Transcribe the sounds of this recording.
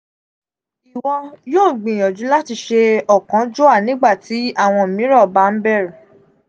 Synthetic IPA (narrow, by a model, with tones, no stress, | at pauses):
i˨wɔ̃˧joː˦˨ɡ͡bĩ˨j̃ɔ̃˨d͡ʒũ˨˦la˦ti˧ʃe˧ɔ˨kã˨˦d͡ʒo˦a˦˨nĩ˦ɡ͡ba˦˨ti˨˦a˦˨w̃ɔ̃˧˨mĩ˨˦ɾɔ˦˨ba˧˦n̩˦bɛ˦˨ɾũ˨